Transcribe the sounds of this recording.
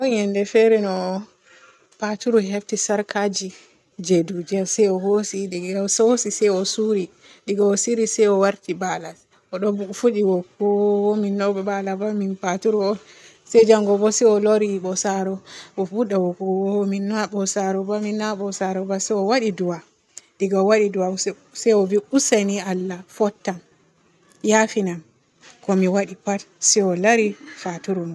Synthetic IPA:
ɗɔnjɛndɛfɛɾɛnɔ | patuɾuɦɛftisaɾkʰad͡ʒi | d͡ʒedud͡ʒɛsɛjɔhosidɛɡasosisɛjɔsuɾi | ɗiɡaɔsiɾisɛjɔwaɾtibalas | ʔɔɗɔbufuɗiwɔkːɔwɔminːɔɓabalabaminpatuɾuɔn | sɛd͡ʒaŋɡɔbɔsɛɔlɔɾiɓɔsaɾɔɔfuɗawɔkɔwɔminːaɓɔsaɾɔbaminːaɓɔsaɾɔbasɛɔwaɗiduwa | ɗiɡawaɗiduwa | sɛjɔviusanialːafɔtːam | jafinam | kɔmiwaɗipatsɛɔlaɾifatuɾum

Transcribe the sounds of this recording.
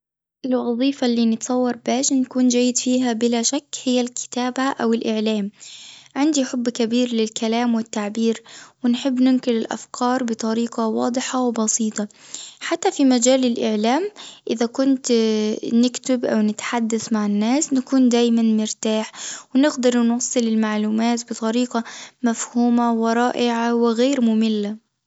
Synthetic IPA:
ʔɪlwɑðˤiːfalːiːnɪt̪sˤɑwːɑɾˤbaːʃnakuːnd͡ʒaːjːɪd̪fiːɦabɪlaʃakːhɪjːalkʰɪ̥t̪aːbaʔawɪlʔɪʕlaːmʕɪnd̪iħʊbːkabiːɾlɪlkʰalaːmwɪt̪ːaʕbiːɾwɪnħɪbːnɪmkɪlɪlʔa̰fkʰɑːɾˤbɨt̪ˤɑɾiːqɑwɑ̰ːd̪ˤɨħawbɑsiːt̪ˤɑħat̪ːafimad͡ʒaːlɪlʔɪʕlaːmʔɪðakʊnt̪nɪkt̪ɪbʔa̰wnɪt̪ħad̪ːaθmaʕɪnːaːsnakuːnd̪aːjmanmɪɾt̪aːħwɪnɪɡd̪ɑɾˤnwɑsˤːɨlɪlmaʕluːmaːt̪bɨt̪ˤɑɾiːqamafhuːmawɪɾˤɑːʔɪʕawɪɣeːɾmʊmɪlːa

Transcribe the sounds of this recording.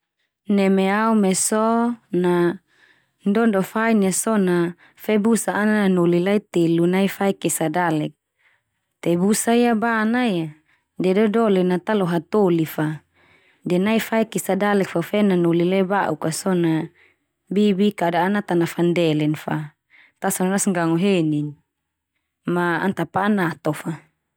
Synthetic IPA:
nɛmɛaumɛsɔna | ndɔndɔfainasɔna | fɛbusaːnananolilait̪elunaifaikɛsadalɛk̚ | t̪ɛbusaiabanaja | dɛdɔdɔlɛnat̪alɔɦat̪olifa | dɛnaifaikɛsadalɛk̚fafɛnanolilaibaʔukasɔna | bibikadaːnat̪anafandɛlɛnfa | t̪asɔnanasŋɡaŋɔɦenin | maa̰nt̪apaːnat̪ɔfa

